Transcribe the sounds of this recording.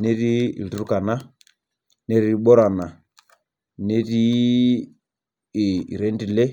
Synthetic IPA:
nɛ˦ɾi˦˨lu˨ɾu˦ka˨na˦ | ne˦ɾi˦i˦ɓɔ˦ɾa˨na˨ | ne˦ɾi˦˨ | i˨ɾɛ˨˦ndi˨lɛ˦

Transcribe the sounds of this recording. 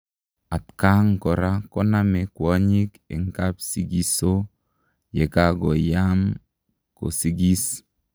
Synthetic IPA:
a˨tka˦ŋ˨kɔ˨ɾa˦kɔ˦na˦me˨kwɔ˦ɲi˦kɪ̰˨ŋka˦psi˦ɡi˦so˦ | je˨ka˦ɡɔ˨ja˦m | ko̰˨si˦ɡi˦s

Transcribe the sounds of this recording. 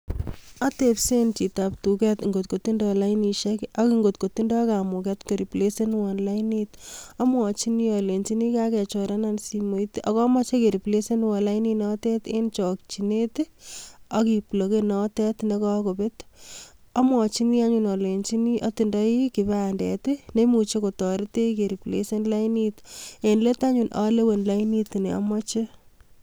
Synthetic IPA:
a˦t̪epsent͡ʃi˨ta˨p̚tu˨kɛ˦t̪ŋɡo˨t̪̚ko˨t̪i˦ndɔlainiʃɛka˦kiŋɡot̪ko˨ti˦ndɔ˦ka˨mu˨kɛt̪ke˨ɾi˨ple˦se˦nwɔnlanit̪ɔ˦mwɔ˨t͡ʃi˦niɔle˨nt͡ʃi˦ni˦ka˦kɛ˨t͡ʃɔ˨ɾa˦nansimo˨it̪ɔ˨kɔ˦mɔ˦t͡ʃe˦ke˨ɾi˨ple˦se˦nwɔ˨nla˦ininɔtɛ˦t̪e˦nt͡ʃɔ˨k̚t͡ʃi˨ne˦t | ɔki˨plo˨ke˦nɔtɛ˦tne˦kɔ˦ko˨pet | ɔ˦mwɔ˨t͡ʃi˦ni˦a˦ɲunɔ˨le˨nt͡ʃi˦ni˦ʔɔ˦ti˨ndɔ˦iki˨baa˨ndɛ̰tɪne˦mu˨t͡ʃe˦ko˨tɔ˨ɾi˦te˦ke˨ɾi˨plḛse˦nla˦initenle˦ta˦ɲu˨nʔa̰le˦we˨nla˦ini˦tne˨ɔ̰˦mɔt͡ʃe˦

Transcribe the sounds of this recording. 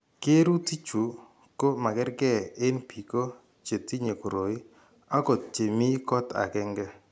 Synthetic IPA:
ke˦ɾu˦ti˦t͡ʃu˨ | ko˦ma˨kɛ˦ɾɡɛ˦ɪ˦npi˨ko˦ | t͡ʃe˨ti˦ɲe˨ko˨ɾo˨i˦ | a˦kɔ˨t̚t͡ʃe˨mi˦kɔ˦ta̰˨kɛ˦ŋɡɛ˦

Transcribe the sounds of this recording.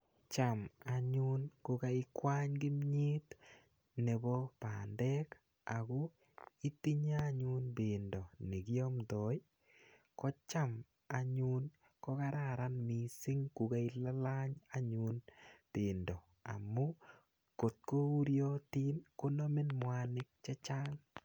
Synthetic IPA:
t͡ʃa˨ma˨ɲu˦nko˧ka˦i˦kwa˦ɲkɪ˦mɲi˦t | ne˨bɔ˦pa˨ndɛ˦k | a˨ko˦ | i˦ti˦ɲa˦ɲu˦nbe˨ndɔ˨ni˨kjɔ˦mtɔ˨j | kɔ˦t͡ʃa˦m | a˨ɲu˦n | kɔ˦ka˦ɾaɾanmi˨sɪ˦ŋku˨ka˦ila˦la˦ɲa˨ɲu˦nb̥ɪndɔ˨ | a̰˨mu˦ | ko˨t̪̚ko˦u˦ɾjo˦ti˦nko˦no˦mɪ˦nmwanɪ˦k̚t͡ʃɛ˦t͡ʃa˦ŋ

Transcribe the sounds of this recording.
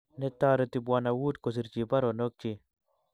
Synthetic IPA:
ne˦t̪aːɾo˨t̪i˨bwana˨wuː˦t̪kos̬i˨ɾt͡ʃi˨bɐ˦ɾono˦k̚t͡ʃi

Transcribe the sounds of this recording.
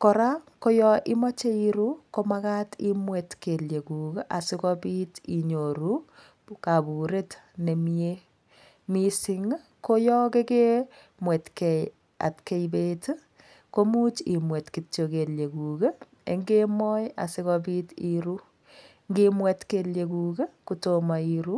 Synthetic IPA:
kɔ˨ɾa˦ko˦jɔ˦ʔi˦ma˦t͡ʃe˦i˦ɾu˦ko˦ma˦ka˦ti˦mwɛ˨tke˨lje˨ku˨ke˦ʔa˨sɪ˦kɔpi˦ti˨ɲo˨ɾu˦ | ka˨bu˨ɾe˦tne˨mje˦ | misiŋ | ko˦jɔ˦ke˦ke˦ | mwɛ˨tkɛj | a̰˨tke˦jbe˦t | ko˦mu˦t͡ʃi˨mwe˨tki˨t͡ʃo˨ke˨lje˨ku˨ke˦ | ḛ˦ŋɡe˦mɔ˦ja̰˨sɪ˦kɔpiː˦tiɾu˦ | ŋɡimwɛtkelje˨kuːke˦kutoma˨iɾu

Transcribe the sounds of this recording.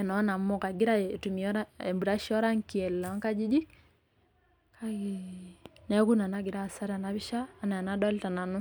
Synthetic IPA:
ɛ˨nɔ˨˦na˨m̩˦ɔ˦˨ka˨ɡi˦ɾa˦˨tu˨mi˨ɔ˦ɾa˦ɛ˨mbu˨ɾa˦ʃɔ˦ɾa˦ŋ˨ki˨ɛ˨lla˨˦ŋka˦d͡ʒi˦d͡ʒi˦ | ka˦ɡi˨nɛ˨˦ku˦na˨na˦ɡi˨ɾa˦˨sa˦ɾi˦a˨na˦βi˦ʃaː˦˨˦na˨a˨na˦dɔ˦li˦ta˨na˨nu˦

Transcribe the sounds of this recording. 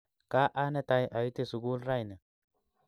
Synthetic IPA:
kaː˦ʔa˦nɛ˦t̪a˨jʔɐ˨jʊ˦t̪ɪsʊ˨ɡuː˦lɾa˦jne˨

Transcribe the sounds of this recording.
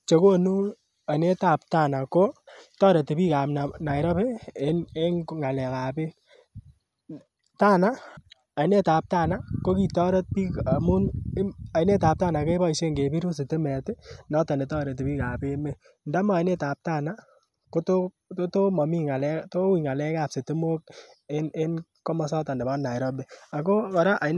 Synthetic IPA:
t͡ʃe˨ko˦nu˦ | a˨ne˦ta˦˨p̚ta˦na˨ko˦tɔ˦ɾe˨te˨pi˦ka˨mna˨na˨jɾɔ˦pe˦e˦ne˦ŋŋa˨lɛ˨ka˨pe˦ | ta˦na˦ | a˨˦ne˦ta˨p̚ta˦na˦ko˦ki˨tɔ˦ɾɔ˦t̚pi˦ka˨mu˦n˦a˨ine˦ta˨p̚ta˦na˨ke˦ba˦i˨se˦ŋɡe˨pi˦ɾu˦s̬e˨te˦mɛ˨te˦nɔ˦ta˨ne˨tɔ˦ɾe˨t̬e˨pi˦ka˨pe˦me˦ | nda˦ma˨a˨i˦ne˦ta˨p̚ta˦˨na˦ | ko˦to˦ | to˦to˦mɔ˨mi˦ŋa˨lɛ˦to˦wi˨ŋa˨lɛ˦ka˦˨pse˨te˦mo˦k̚ | e˦ne˦n | ko˦mɔ˦sɔ˦ta˨nde˨bɔ˦nːa˨jɾɔ˦be˨a˨ko˦a˨ɾa˦ʔa˨

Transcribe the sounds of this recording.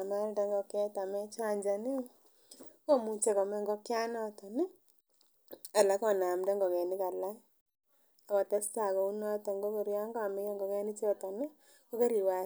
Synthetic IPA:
ma˦ldɛ˦ŋɡɔ˧kɛ˦ta˨mɛ˦t͡ʃa˦ɲd͡ʒa˨nɪ˦ | ko˦mu˦t͡ʃe˦kɔ˨mɛ˦ŋɡɔ˦kja˦nɔ˦tɔ˨nɪ˦ | a˨la˨˦kɔ˨na˨mdɛ˦ŋɡɔ˨kɛ˨nɪ˦ka˨la˦ | a˨kɔ˨tɛ˦sta˨kɔ˨u˦nɔ˦tɔ˨ŋɡɔ˦ko˨ɾja˦ŋɡɔ˦a˨mɪ˦kɛ˦ŋɡɔ˨kɛ˦ni˦t͡ʃe˦ɔ˨tɔ˨nɪ˦ | ko˦ke˦ɾi˨wa˨

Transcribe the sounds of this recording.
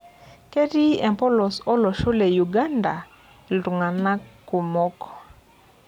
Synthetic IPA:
ke˦di˦ɛ˨mpɔ˦lɔ˨sɔ˦lɔ˨ʃo˦le˨ju˨ɡa˦nda˨ | lu˨ŋa˨na˦kːu˨mɔ˦kɔ̥˨

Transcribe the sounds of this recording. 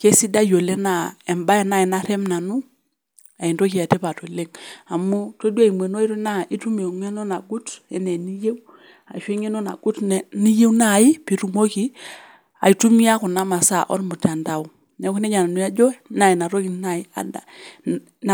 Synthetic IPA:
ke˦si˦da˦jo˨le˦na˨ɛ˨mba˦ɛ˦na˦i˨na˦ɾɛ˦mna˨nu˦ | a˨i˨ndo˦ki˨a˨tɛ˦pa˨to˨le˦ŋa˨mu˦to˦dwa˦˨i˨me˨no˦i˦ɾu˦na˦i˦tu˦mi˨o˨ŋɛ˦no˦na˨ɡu˦tɛ˦ne˨ni˦je˦w | a̰˨ʃe˦ŋe˦no˦na̰˨ɡ̥u˦tnɛ˨ni˦je˦wna˦˨i˦pi˨ɾu˨mo˦ki˦ | a̰˨i˨tu˦mi˦a˦ku˨na˦ma˨sa˦˨ʔɔ̰˦ɾmu˨ta˨nda˨w | nɛ˨˦ku˦nɛ˦ɲa˨na˨nu˨˦a˦d͡ʒɔ˦na˦i˨na˨ɾo˦ki˨na˦˨i˦a̰˨da̰˨

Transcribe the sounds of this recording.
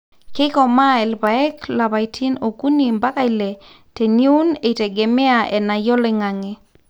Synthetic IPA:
kɪ˦kɔ˨ma˦ɛ˨lba˨ɛ˦kla˨βa˨itʰi˦no˨ku˦ni˨mba˦ka˦ɪ˨lɛ˨ | te˨ni˦u˦ne˨te˨ɡe˨me˦a˨ʔɛ˨na˨jɔ˦lɛ˦ŋa˨ŋɛ˦

